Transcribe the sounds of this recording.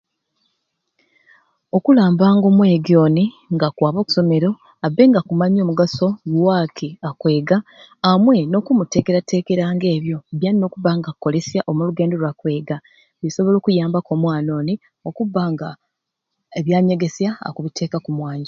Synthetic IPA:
o̞kulaːmbaːŋɡo̞ːmwe̞ɡio̞ːni | ŋɡakwaːβo̞ːku̥so̞me̞ɾo̞ | abe̞ːŋɡakumaɲo̞ːmuɡaso̞lwakʰiakwe̞ːɡaː | mwe̞no̞ːkumute̞ːke̞ɾate̞ːke̞ɾaːŋɡe̞ːβjo̞βjanino̞ːkuβaŋɡako̞le̞sjaʔo̞muluɡe̞ːndo̞lwakwe̞ːɡa | βiso̞βo̞lo̞ːkujaːmbako̞ːmwaːno̞ːni | o̞kuβːaŋɡa | eβjaːɲe̞ɡe̞sjaa̰kuβitʰe̞ːkakumwaːɲɟa

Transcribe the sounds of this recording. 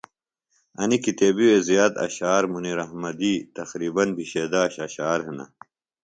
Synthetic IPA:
ɐnikit̪eːbiwezijaːt̪ɐ̰ɕaːɾmuniːɾɐɦmɐd̪it̪ɐxɾiːbɐnbʱiɕeːd̪aɕɐɕaːɾɦenɐ̰

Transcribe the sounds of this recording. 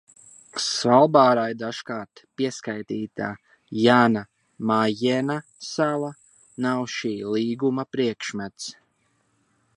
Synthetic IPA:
svalˠbaːɾajd̪aʃkaːɾt̪piɛskajt̪iːt̪a̰ | jaːna | majɛna | sava | nawʃiːliːɡumapɾiɛkʃmæt̪s

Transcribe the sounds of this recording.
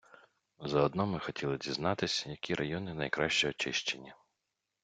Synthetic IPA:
zɐɔd̪nɔmɪxɔtʲilˠɪdʲiznɑt̪ɪsʲjɐkʲiɾʔɐjɔnɪnɐjkɾɑʃt͡ʃɔjɔt͡ʃɪʃt͡ʃenʲːɐ

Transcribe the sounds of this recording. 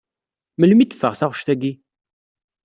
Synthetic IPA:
məlmit̪ːə̥fə̰ʁθaʁʃθæɡi

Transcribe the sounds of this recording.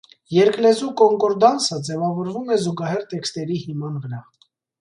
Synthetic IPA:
jɛɾklɛzukɔŋkɔɾd̪ɑnsəd͡zɛvɑvɔɾvumɛzuɡɑɦɛɾt̪ɛkst̪ɛɾihimɑnvəɾɑ

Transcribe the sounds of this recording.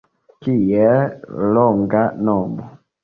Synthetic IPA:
kijɛlɔŋɡanɔmɔ

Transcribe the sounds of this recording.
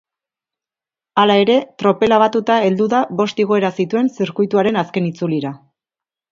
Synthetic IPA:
alae̞ɾe̞t̪ɾo̞pe̞laβ̞at̪ut̪ae̞ld̪uðaβo̞st̪iɣ̞o̞e̞ɾasit̪ue̞nsiɾkujt̪uaɾe̞naske̞nit͡suliɾa

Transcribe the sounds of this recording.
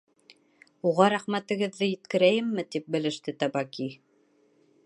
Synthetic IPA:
uʁɑɾæχmæt̪ɘ̆ɡɘ̆ðːɘjɘ̆t̪kɘ̆ɾæjɘmːɘt̪ip̚bɘ̆lɘ̆ʃt̪ɘt̪ɑbɑki

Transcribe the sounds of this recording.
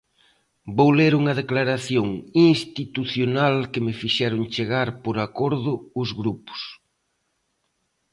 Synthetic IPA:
bowleɾuŋɐðeklaɾaθjoŋiŋst̪it̪uθjonalkɪmɪfiʃɛɾʊŋt͡ʃeɣaɾpoɾakoɾðʊʊzɣɾupʊ̥s

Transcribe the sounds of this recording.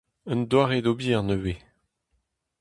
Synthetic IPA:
ə̃nd̪waːʁedobiʁnəwe

